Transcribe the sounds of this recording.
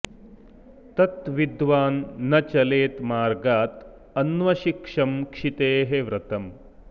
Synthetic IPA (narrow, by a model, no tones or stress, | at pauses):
t̪ɐt̪ʋid̪ʋaːnːɐt͡ʃɐleːt̪maːɾɡaːt̪ | ɐnʋɐʃikʂɐmkʂit̪eːɦeʋɾɐt̪ɐm